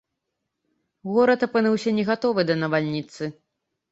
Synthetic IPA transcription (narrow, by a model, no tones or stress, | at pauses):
ɣɔɾɐt̪ɐpɨnɨwsʲɐnʲɛɣat̪ɔvɨd̪ɐnɐvalʲnʲit̪sɨ